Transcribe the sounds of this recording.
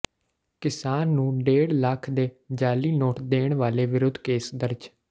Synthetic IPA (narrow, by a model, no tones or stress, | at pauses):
kɪsaːnːũːɖeːɽləkʰd̪eː | d͡ʒaːliːnoːʈd̪eːɳʋaːleːʋɪɾʊd̪ʱːkeːsd̪əɾd͡ʒ